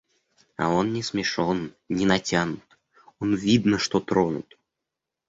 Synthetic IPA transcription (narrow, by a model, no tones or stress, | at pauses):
a̰onnʲɪsmʲɪʂon | nʲɪnɐtʲanʊt̪ | onvʲid̪nəʂt̪ot̪ɾonṵt̪